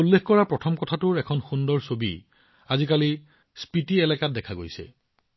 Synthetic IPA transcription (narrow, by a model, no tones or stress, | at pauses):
ulːexkɔɹapɹɔtʰɔmkɔtʰatʊɹɛkʰɔnxundɔɹsobḭ | azikali | spitiɛlɛkat̚dɛkʰaɡo̰jsɛ̰